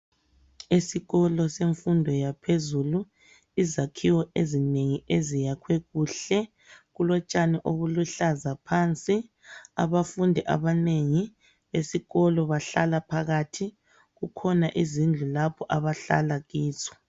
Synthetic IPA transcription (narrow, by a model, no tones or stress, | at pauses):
isiɣɔlɔseɱfundʱɔjapʰezulu | izakʰiwɔʔezineŋiezijakʰwɛɣuːɬɛ | ɣulɔt͡ʃʼanɛʔoβuluɬazapʰant͡sʼi | a̰βafundʱɛʔa̰βaneŋi | βesiɣɔlɔβaɬalapʰaɣatʰi | ɣukʰɔnaʔizind͡ɮʱulapʰɔʔaβaɬa̰laɣiːt͡sɔ̥